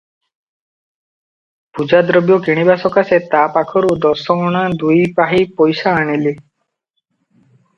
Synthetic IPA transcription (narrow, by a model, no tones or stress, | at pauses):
pud͡ʒad̪ɾɔbjɔkiɽ̃ibasɔkaset̪apakʰɔɾud̪ɔsɔɔɽ̃ad̪ujpaɦipɔjsaːɽ̃ili